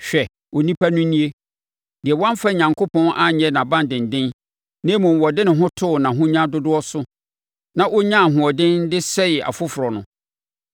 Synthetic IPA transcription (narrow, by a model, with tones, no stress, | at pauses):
ɕᶣɛ˨ | wɔ˨nĩ˦pʰa˦nʊ̃˦nĩ˦e˦ | dɪ˨ɛ˨wã˦m˦fa˦ɲã˨ŋkʰʊ˦pʰɔ̃˦nʔa˦ɲɛ˦nã˨bã˦ndɪ̃˨n̩˨dɪ̃˦n | nɪ̃˦mʊ̃˨wɔ˨dɪ˦nɪ̃˨ɦʊ̃˦tʰʊ˦˨nã˨ɦʊ̃˦ɲã˦dʊ˦dʊ˦ɔ˦sʊ˦ | nã˨ʔɔ˦ɲã˦˨ɦʊ̃˨ɔ˨dɪ̃˦n˦dɪ˦sɛ˦jɛ˨ʔa̰˨fʊ˦fʊ˨ɾɔ˨nʊ̃˨